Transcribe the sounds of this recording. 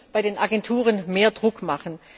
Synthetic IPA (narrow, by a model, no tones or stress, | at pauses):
b̥aɪɾeːnʔaɡɛntʰuːʁ̞ənmeːɐdʁʊkmaχən̩